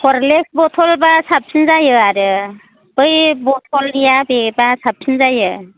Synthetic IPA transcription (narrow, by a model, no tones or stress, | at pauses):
kʰɔɾlek̚sbɔtʰɔlbasap̚tʰinzajɯaɾɯ | b̥ɯjbɔtʰɔlnijabebasab̚tʰinzajɯ